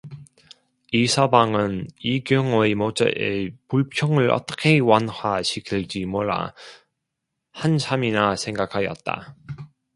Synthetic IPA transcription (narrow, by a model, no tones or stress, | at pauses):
isʰabaŋɯniɡjʌŋoemot͡ɕ͈a̰ʔḛpuɭpʰjʌŋɯɭʌ̰t͈ʌ̥kʰe̞wanhaɕʰikʰiɭd͡ʑimoɭːa̰ | hant͡ɕʰaminasʰe̞ŋɡakʰajʌ̰t̚t͈a̰